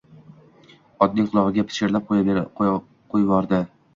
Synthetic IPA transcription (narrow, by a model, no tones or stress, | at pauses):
ɒd̪nɪŋqʰʊlˠɒʁɨɡʲapʰɪ̥ʃɪɾlap̚qʰoj | qʰojbɒɾd̪ɪ